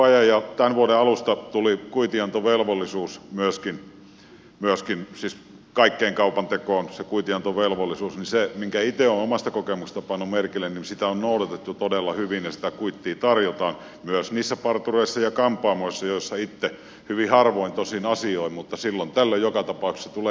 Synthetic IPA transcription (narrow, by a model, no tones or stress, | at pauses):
ɑjɑjjɑt̪ænʋuoɾeɑlust̪ɑt̪ulikuit̪iɑnt̪oʋelʋolːisuːsmyøskin | myøskinsiːs | kɑikːeːŋkɑupɑnt̪ekoːnsekuit̪iɑnt̪oʋelʋolːisuːsnisemiŋkæit̪eonomɑst̪ɑkokemukse̥s̆t̪ɑpɑnːumerkilːenninsit̪æonnoˑudɑt̪et̪ːut̪odelːɑhyʋinjɑsi̥t̪ækuit̪ːiːt̪ɑrjot̪ɑːn | myøsniːsːæpɑrt̪ureˑisːɑjɑkɑmpˑɑːmoisːɑjoisːɑit̪ːe | hyʋihɑrʋoint̪osinɑsioimmut̪ːɑsilːont̪ælːojjokɑt̪ɑpɑˑuksːet̪uleː